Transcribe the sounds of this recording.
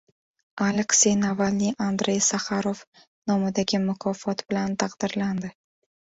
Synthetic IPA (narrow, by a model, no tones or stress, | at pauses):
alekse̞jnavalniʔand̪ɾe̞jsaχaɾof | nɒmɪd̪aɡʲɪmʊkʰɒfɒt̪bɪlant̪ʰɑqd̪̥ɪɾland̪ɪ